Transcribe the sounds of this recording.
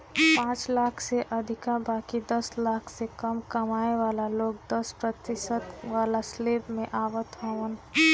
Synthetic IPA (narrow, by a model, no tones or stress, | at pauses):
pãt͡ʃlakʰseʔəd̪ʱikabaːkid̪əslakʰsekəmkəmaeʋalaloːk̚d̪əspɾət̪ɪʃət̪ʋalaslepmẽʔaʋət̪ɦoʋən